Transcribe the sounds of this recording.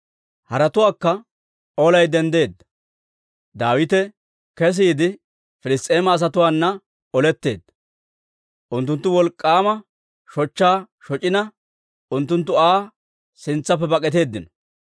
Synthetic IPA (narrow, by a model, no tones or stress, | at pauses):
hɐɾɐt̪ʊwaːkːɐ | oːlɐjd̪ɛnd̪e̞ːd̪ːɐ̥ | d̪aːwɪt̪ɛ | kɛs̬iːd̪ɪ | fɪlɪst̪ʼe̞ːmɐːs̬ɐt̪ʊwaːnːɐ | ɔlɛt̪ːe̞̰ːd̪ːɐ̥ | ʔʊnt̪̬ːʊnt̪ːʊwɔlkʼːaːmɐ | ʃɔt͡ʃːaː | ʃɔt͡ʃʼɪnɐ | ʔʊnt̪ːʊnt̪ːʊaː | sɪnt͡sːɐpːɛbɐkʼɛt̪e̞ːd̪ːɪnɔ̥